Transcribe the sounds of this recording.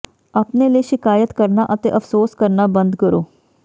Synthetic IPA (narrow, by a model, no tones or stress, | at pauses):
aːpneːləiːʃɪkaːjət̪kəɾnaːʔət̪ḛːʔəfsoːskəɾnaːbə̃nd̪kəɾoː